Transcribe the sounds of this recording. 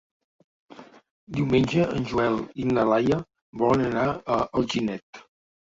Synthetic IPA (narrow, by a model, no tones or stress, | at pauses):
d̪iwmenʲd͡ʒəʔənʲʒuɛlˠinləlajə | bɔlənənaəəlˠʒinɛt̪